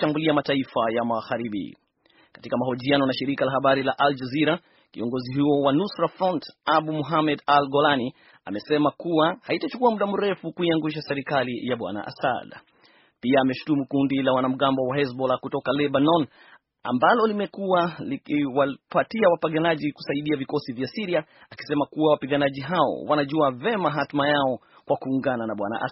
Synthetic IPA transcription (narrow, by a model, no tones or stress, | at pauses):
ʃambuliamataifajamaɣaɾiɓḭ | kḁtikamahɔʄianɔnaʃiɾikalahaɓaɾilaʔald͡ʒaziɾa | kḭɔŋɡɔziɦuɔwanusɾafɾɔntaɓumuɦamɛdalɡɔlani | a̰mɛsɛmakuwahaitat͡ʃu̥kuamuɗam̩ɾɛfukuiaŋɡuʃ̬asɛɾikalijaɓwa̰na̰ʔa̰sa̰d | piaːmɛʃu̥tumukundilawanam̩ɠambɔwaɛs̬bɔlakutɔkalɛɓanɔn | a̰mbalɔlimɛkualikiwapatiawapaɠanaʄiku̥saiɗiavikɔsivjasiɾiaaki̥sɛmakuwawapiɠanaʄiɦaɔ̰wanaʄuavɛmaɦatumajaɔ | kwakuːŋɡananaɓwa̰na̰ʔa̰